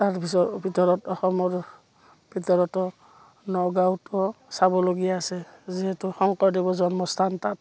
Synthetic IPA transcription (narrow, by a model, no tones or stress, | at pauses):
taɹpisɔtbʱitɔɹɔtɔxɔmɔɹ | bʱitɔɹɔtɔ | nɔɡawtɔsabɔloɡijaːsɛziɦɛtʊxɔŋkɔdibɔzɔnmɔstʰantat̚